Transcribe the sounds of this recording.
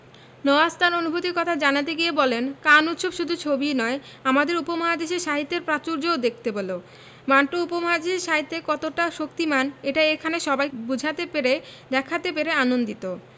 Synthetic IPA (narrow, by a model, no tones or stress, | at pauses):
nɔoast̪ʰanonubʱut̪iɾkɔt̪ʰad͡ʑanat̪̬eɡijebɔlenkanut̪ːʃobʃud̪ʱut͡ɕʰobinɔe | amad̪eɾupomɔɦad̪eʃeɾʃaɦit̪ːeɾpɾat͡ɕuɾd͡ʑood̪ek̚ʰt̪ebolo | maɳʈoupomɔɦad̪eʃeɾʃaɦit̪ːekɔt̪oʈaʃok̚t̪imaneʈaekʰaneʃɔbajbud͡ʑʱat̪epeɾed̪ɛkʰat̪epeɾeanond̪it̪o